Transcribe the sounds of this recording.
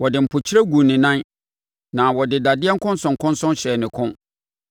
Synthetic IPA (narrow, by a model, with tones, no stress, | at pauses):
wɔ˨dɪ˨m̩˨pʰʊ˨t͡ɕʰi˦ɾɛ˦ɡu˨nɪ̃˨nã˦n | nã˨wɔ˨dɪ˨da˨dɪ˦ɛ˦ŋ̩˦kʰʊ̃˦n˦sʊ̃˨ŋkʰʊ̃˦nsʊ̃˦nɕɛ˨nɪ̃˨kʰʊ̃˦